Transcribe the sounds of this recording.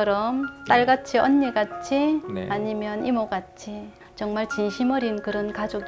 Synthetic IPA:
ʌɾʌmt͈aɭɡat̚t͡ɕʰiʌnːiɡat̚t͡ɕʰiaɲimjʌnimoɡat̚t͡ɕʰi | t͡ɕʌŋmaɭt͡ɕinɕʰimʌɾinkɯɾʌnkad͡ʑoɡ

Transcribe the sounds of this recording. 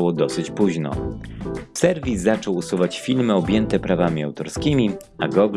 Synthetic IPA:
wɔd̪ɔsɘt͡ɕpuʑnɔ̰ | fsɛɾvʲisːat͡ʂɔwusuvat͡ɕfʲilmɘɔbʲjɛnt̪ɛpɾavamʲiawt̪ɔɾskʲimʲi | aɡɔɡ

